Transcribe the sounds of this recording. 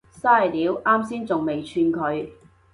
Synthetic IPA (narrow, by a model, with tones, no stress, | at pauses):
saː˥˩jliː˨˥wʔaː˥msiː˥nt͡sʊ˨ŋme˨˩jt͡ʃʰyː˧nkʰɵ˨˧ɥ